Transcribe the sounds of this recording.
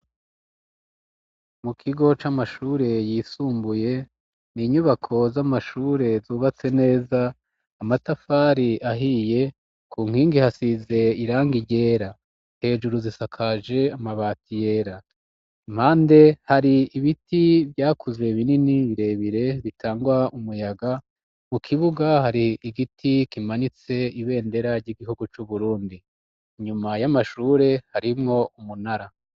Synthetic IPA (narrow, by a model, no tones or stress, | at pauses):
mukʰiɡo̞t͡ʃamaʃuːɾe̞jiːsuːmbuje̞ | niɲuβakʰo̞zamaʃuːɾe̞zuːβat͡se̞ne̞ːzaː | matafaːɾiʔaɦije̞ | kuːŋhiːŋɡihasize̞iɾaːŋɡiɟe̞ːɾa | he̞ːʒuɾuzisakʰaʒe̞amaβaːtije̞ɾa | m̥haːnde̞haɾiːβitʰivjaːkʰuzwe̞βininiβiɾe̞βiɾe̞βitʰaːŋɡwaumujaɡa | mukʰiβuɡahaɾiiɡitʰikimaɲit͡se̞iβe̞ːnde̞ɾaɾɟiɡiɦuɡut͡ʃuβuɾuːndi | ɲumajamaʃuːɾe̞haɾimŋo̞umunaɾa